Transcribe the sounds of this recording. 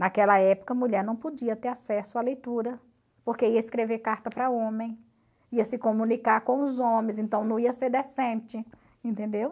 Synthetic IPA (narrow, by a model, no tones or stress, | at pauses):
nakɛlɐɛpo̥kɐmuʎɛɾnɐ̃w̃pod͡ʒiɐt̪eɾasɛsʊalejt̪uɾɐ | poɾkeiɐiskɾevekaɾt̪ɐpɾɐõmẽj̃ | iɐsɪkõmũnikaɾkõw̃ʊzõmẽz̬ẽnt̪ɐ̃w̃nɐ̃w̃iɐseɾd̪ɛsẽt͡ʃɪ | ẽnt̪ẽnd̪ew